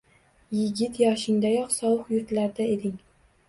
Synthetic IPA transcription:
jɪɡʲɪt̪jɒʃɪŋd̪ajɒqsɒwɨqjʊɾt̪laɾd̪aed̪ɪŋ

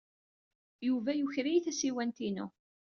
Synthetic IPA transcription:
juvæjuçɾijθæsiwænt̪inṵ

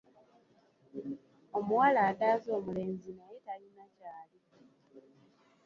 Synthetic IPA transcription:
omuwalaːdaːzo̞ːmule̞ːɲzinajetalinacaːli

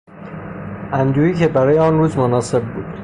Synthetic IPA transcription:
ʔænd̪uːiːcʰe̞bæɾɒːjeɒːnruːzmonɒːse̞b̚ːuːd̪̥

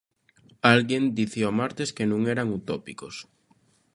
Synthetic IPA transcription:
alɣend̪iθeɔmaɾt̪eskenũŋeɾaŋut̪ɔpikos

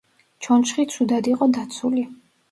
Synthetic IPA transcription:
t͡ʃʰɔnt͡ʃχit̪sʰud̪ad̪iqʼɔd̪at̪sʰuli

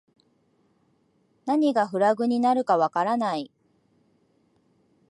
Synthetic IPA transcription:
naɲ̟iɡaɸɯ̟ɾaɡɯ̟ɲ̟inaɾɯ̟kaβakaɾanai

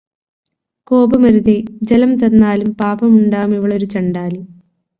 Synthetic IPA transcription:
ko̞ːbɐmɐɾuðed͡ʑɐlɐmt̪ɐnːaːlumpaːbɐmuɳɖaːmiʋiɭo̞ɾut͡ɕɐɳɖaːli

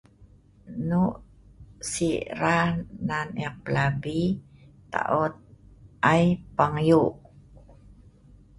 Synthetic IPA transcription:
nuʔ | siɾananɛk̚pəlabit̪a̰ʔut̪̚ʔajpaŋjuʔ

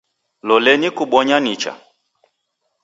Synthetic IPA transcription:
lɔlɛnikuɓɔɲanit͡ʃa̰

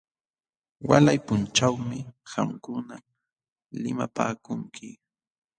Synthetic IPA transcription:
walajpʊnt͡ʃawmɪxamkʊna | lɪmapa̰ːkʊŋkʰɪ

